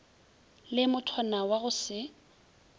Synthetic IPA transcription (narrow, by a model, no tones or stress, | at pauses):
lɪmʊtʰwanawaɣʊsɪ